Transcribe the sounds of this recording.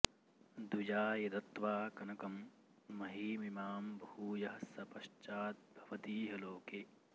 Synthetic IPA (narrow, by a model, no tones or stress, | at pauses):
d̪ujaːjɐd̪ɐt̪ʋaːkɐnɐkɐmː | ɐɦiːmimaːmbʱɐhuːjɐɦɐsɐpɐʃt͡ʃaːt̪̚bʱɐʋɐt̪iːɦɐloːke